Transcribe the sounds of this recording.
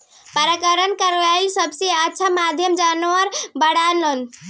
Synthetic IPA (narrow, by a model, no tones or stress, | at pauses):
pəɾakəɾənkəɾaisəbseətːʃʰamad̪ʱjəmd͡ʒanʋəɾbəɽalən